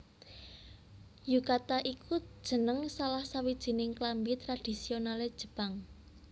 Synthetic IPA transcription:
jukat̪aʔikʰu̥ʒ̥ə̤nəŋsalahsawid̥ʒ̥i̤nɪŋklambit̪ɾad̥i̤sionaled̥ʒ̥ə̥̤paŋ

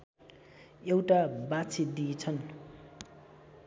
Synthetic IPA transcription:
ewʈabat͡sʰid̪it͡sʰʌn

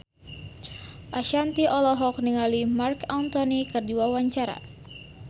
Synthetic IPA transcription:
ʔaʃant̪iʔɔlɔɦɔkniŋalimarkant̪ɔnikərduawaɲt͡ʃaɾa̰

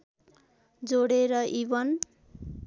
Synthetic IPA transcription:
d͡zoɽeɾʌʔibʌn

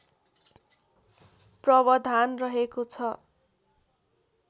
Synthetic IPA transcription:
prʌbʌd̪ʱanrʌɦekot͡sʰʌ

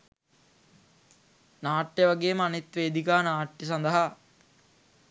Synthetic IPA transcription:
naːʈːjeʋaɡeːmanit̪ʋeːd̪ikaːnaːʈːis̬ɐnd̪əɦa

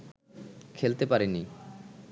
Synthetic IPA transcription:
kʰelt̪epaɾeni

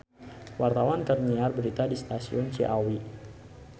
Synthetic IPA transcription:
wart̪awankərniarbəɾit̪adist̪asiʊnt͡ʃḭʔawi

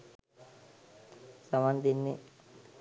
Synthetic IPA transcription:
samand̪inːi

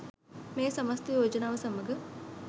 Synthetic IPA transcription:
meːsɐmɐst̪eod͡ʒɐnaːʋəsɐməɡə

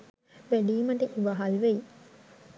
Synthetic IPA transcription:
ʋæɖiːməʈeʔiʋaɦalʋeji

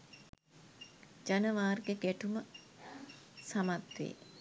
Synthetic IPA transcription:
d͡ʒanəʋaːrɡeɡæʈumə | samat̪ʋḛː

